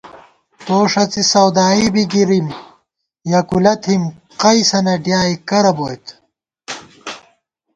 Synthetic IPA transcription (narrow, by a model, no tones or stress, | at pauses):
t̪oːʂɐt͡sisɐwd̪aːibiɡiɾim | jɐkulɐt̪ʰimqɐjsɐnɐɖjaːikɐɾɐboːjt̪